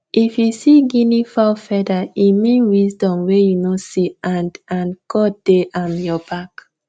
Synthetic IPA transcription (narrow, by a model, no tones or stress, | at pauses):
ʔifjusiɡinifalfɛdaimĩnwisdɔ̃mwejunosiãndãnkʰɔd̥eʔãnjɔbak